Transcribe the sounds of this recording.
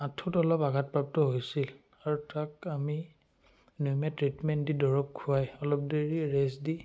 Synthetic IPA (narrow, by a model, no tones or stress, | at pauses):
atʰutɔlɔpaɡʱat̚pɹap̚tɔɦojsil | aɹutakami | nujmɛtɹitmɛntdidɔɹɔp̚kʰʊajɔlɔp̚deɹiɹesdi